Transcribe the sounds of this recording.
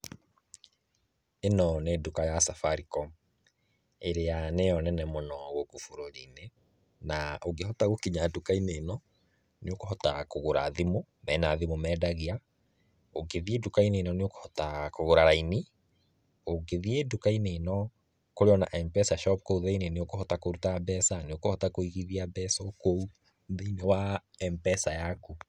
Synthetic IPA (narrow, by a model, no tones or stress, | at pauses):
enɔnedukajasafaɾikɔm | eɾeanejɔnɛnɛmɔnɔɣokofoɾoɾine | naoɡehɔtaɣokiɲadukaineːnɔ | neokohɔtakoɣoɾa̰ðimomɛnaðimomɛdaɣia | oɡeðiedukaineːnɔneoko̥hɔtakoɣoɾaɾaini | oɡeðiedukainenɔ | koɾeɔna̰ʔɛmpɛsaʃɔp̚kouðeineneokohɔtakoɾutabɛsaneokohɔtakoiɣiðiabɛsɔkou | ðeinewa | ɛmpɛsajaku